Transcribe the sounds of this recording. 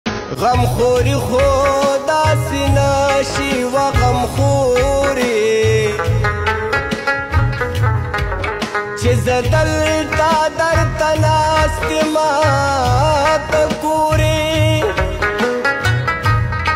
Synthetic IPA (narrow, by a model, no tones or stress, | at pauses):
ɣɐmxoɾixod̪aːsinaʃiwaɣɐmxoɾi | t͡ʃezɐd̪ɐlt̪ad̪aɾt̪anast̪ima | t̪akuɾi